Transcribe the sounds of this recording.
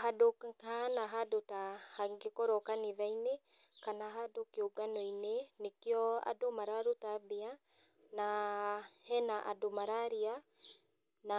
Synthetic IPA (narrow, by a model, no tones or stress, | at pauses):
ɦadokkanaɦadotahaŋɡekɔɾɔkaneðaine | kanaɦadokeoɡanɔinenekjɔa̰domaɾaɾotabea | na | hɛnaʔadomaɾaɾia | na